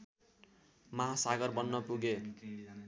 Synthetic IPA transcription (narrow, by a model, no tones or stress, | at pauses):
mʌɦasaɡʌrbʌnːʌpuɡe